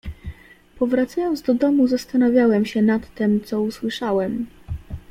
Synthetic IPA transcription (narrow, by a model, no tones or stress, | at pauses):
pɔvɾat̪sajɔnd̪zd̪ɔd̪ɔmuzast̪anavʲjawɛmɕɛnat̪ːɛmt̪sɔuswɘʂawɛm